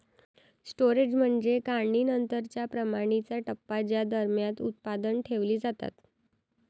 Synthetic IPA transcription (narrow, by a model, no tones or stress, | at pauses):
sʈoɾed͡ʑm̤əɳd͡zekaɖiːnənt̪əɾt͡ɕjapɾəmaɽ̃it͡saʈəpːad͡ʑjad̪əɾmjãt̪ut̪̚pad̪ənʈʰeʋliːd͡zat̪a̰t̪